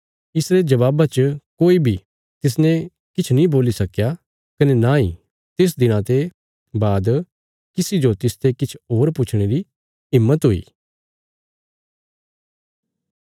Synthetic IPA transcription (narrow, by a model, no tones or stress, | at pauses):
ɪsɾed͡ʒɐβaːbat͡ʃəkoːibʱi | t̪ɪs̬nɛ̃ | kɪt͡ʃʰnĩboːlisɐkja | kɐnenãːḭ̃ | t̪es̬d̪ɪñãt̪e | baːd̪ | kɪsid͡ʒot̪ɪst̪ekɪt͡ʃʰoːɾpʊt͡ʃʰɽ̃eɾi | ɦɪmːət̪ɦoḭː